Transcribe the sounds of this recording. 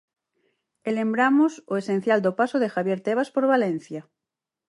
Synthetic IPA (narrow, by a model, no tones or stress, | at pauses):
ele̞mbɾamosoesẽ̞n̟θjald̪opasoðexaβje̞ɾt̪eβ̞aspo̞ɾβalen̟θja